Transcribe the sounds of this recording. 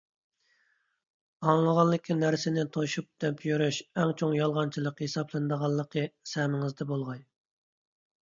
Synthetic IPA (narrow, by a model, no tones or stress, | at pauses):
ɑŋlˠəʁɑllːˠɨkʲʰːinæɾsɪnɪt̪ʰoʃup̚d̪̥ɛpʰjyɾyʃɛŋt͡ʃʰoŋjɑlˠʁɑnt͡ʃʰilˠəqhesɑblˠɨnd̪əʁɑlˠːəqʰəsɛmɪŋɨzd̪ɛbolˠʁɑj